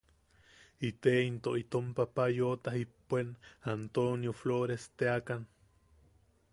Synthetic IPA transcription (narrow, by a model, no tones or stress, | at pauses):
it̪eint̪oʔit̪ompapajot̪ahipːʷenant̪onjofloɾest̪eakan